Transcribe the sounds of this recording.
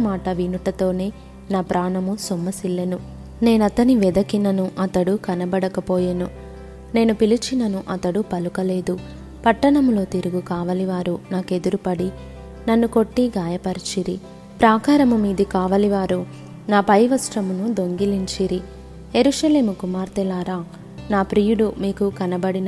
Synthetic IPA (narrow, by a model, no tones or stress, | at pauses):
ɐmaːʈɐʋinuʈɐt̪o̞ːne̞ː | naːpɾaːɳɐmusumːɐsilːenu | ne̞ːnɐt̪ɐniʋɛd̪ɐkinɐnuʔɐt̪ɐɽukɐnɐbɐɽɐkɐpoːjɐnu | ne̞ːnupilit͡ʃinɐnuʔɐt̪ɐɽupɐlukɐle̞ːd̪u | pɐʈːɐɳɐmlo̞ːt̪iɾuɡukaːʋɐliʋaːɾunaːke̞d̪uɾupɐɽi | nɐnːuko̞ʈːiɡaːjɐpɐɾit͡ʃiɾi | pɾaːkaːɾɐmumiːd̪ikaːʋɐliʋaːɾu | naːpɐjʋɐsʈɾɐmunud̪o̞ŋɡiliɲt͡ʃiɾi | je̞ɾuʃɐle̞ːmukumaːɾt̪ɛlaːɾaː | naːpɾijuɽumiːkukɐnɐbɐɽin